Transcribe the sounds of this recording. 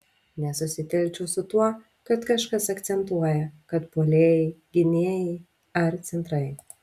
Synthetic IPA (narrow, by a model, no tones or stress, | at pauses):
nʲɛsʊsʲɪt̪ʲɛlʲt͡ʃʲɛʊsʊt̪uɔ | kɐt̪kɐʃkɐsɐkt̪sʲɛnt̪uɔjɛkɐt̪poːlʲeːjɛɪɡʲɪnʲiɛjɛɪ | ɐɾt̪sʲɛnt̪ɾɐɪ